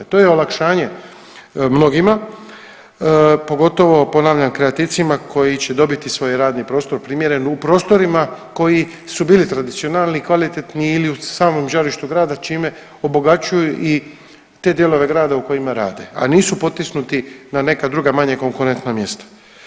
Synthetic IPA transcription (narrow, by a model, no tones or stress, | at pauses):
t̪o̞ːjeo̞lakʃaːɲe̞ | mno̞ɡima | po̞ɡo̞t̪o̞ʋo̞po̞naːʋʎamkɾeat̪iʋt̪simakʰo̞jit͡ɕe̞d̪o̞bit̪isʋo̞ːjɾaːd̪nipɾo̞ːst̪o̞ɾpɾimje̞ɾe̞nupɾo̞ːst̪o̞ɾimako̞ji | subiːlit̪ɾad̪it̪sio̞naːlˠnikʋalit̪et̪niːliusaːmo̞mʒaɾiʃt̪uɡɾaːd̪at͡ʃiːme̞ | o̞bo̞ɡat͡ɕujuʔi | t̪e̞d̪je̞lo̞ʋe̞ɡɾaːd̪auko̞imaɾa̰ːd̪e̞̰a̰niːsupo̞t̪ːisnut̪inane̞kad̪ɾuɡamaɲe̞ko̞ŋkuɾe̞nt̪namje̞st̪ḁ